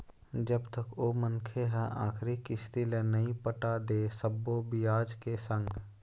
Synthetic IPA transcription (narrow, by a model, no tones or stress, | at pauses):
d͡ʒəbt̪əkoːmənkʰeɦɛ̃ʔa̰ːkʰɾikɪst̪ilənɐɦĩpəʈad̪eːsəbːobɪjaːd͡ʒkesə̃ŋɡ